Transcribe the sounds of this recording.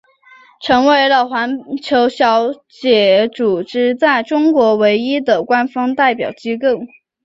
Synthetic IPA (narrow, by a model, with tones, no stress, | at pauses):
ʈ͡ʂʰɤ˧˥ŋwe˧˥ɪlə˨xwa˧˥nt͡ɕʰjo˧˥ʊɕjɑ˧˥ʊ | t͡ɕjɛ˨˩ʈ͡ʂu˨˩ʈ͡ʂɻ̩˥t͡sa˥˩ɪʈ͡ʂʊ˥ŋkwɔ˧˥we˧˥ɪi˥d̪ə˨˩kwa˥nfɑ˥ŋt̪a˥˩ɪpjɑ̰˨˩ʊt͡ɕi˥kɤ˥˩ŋ